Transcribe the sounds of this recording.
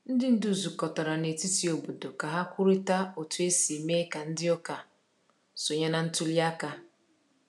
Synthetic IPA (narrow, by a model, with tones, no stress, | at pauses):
n̩˦dɪ˦n̩˦du˨zu˨kɔ˨tɔ˨ɾa˨ne˨ti˦ti˨o˨bo˨do˨ka˨ɦa˦kʷʊ˦ɾi˦ta˦o˨tu˨˦e˦si˨me˦ka˨n̩˦dɪ˦ɔ˦ka˨ | so˨ɲe˦na˦n̩˦tu˦li˦a˦ka˦